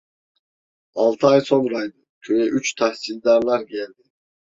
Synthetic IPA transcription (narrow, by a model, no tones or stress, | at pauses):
ɑlˠt̪ʰɨɑjsonɾɑjd̪ɨkʲʰøjɛʔyt͡ʃt̪ʰæhsilʲd̪ɑɾlˠaɾkʲʰelʲd̪ɪ